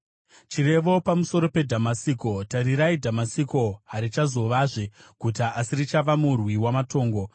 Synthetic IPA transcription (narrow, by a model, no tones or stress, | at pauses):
t͡ʃiɾe̞ʋo̞pamuso̞ɾo̞pe̞dʱamasiːko̞taɾiɾaidʱamasiko̞ɦaɾit͡ʃazo̞ʋaʐekutaʔasiɾit͡ʃaʋamurwiwamato̞ːŋɡo̞